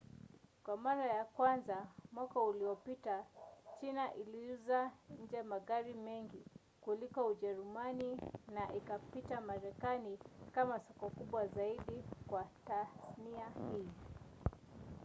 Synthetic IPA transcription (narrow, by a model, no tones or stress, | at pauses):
kwamaɾajakwanzamwakauliɔpitat͡ʃinaʔiliuzaɲ̩d͡ʒɛmaɠaɾimɛŋɡi | kulikɔuʄɛɾumaninaʔikapitamaɾɛkanikamasɔkɔkuɓwazaiɗikwataθniahiː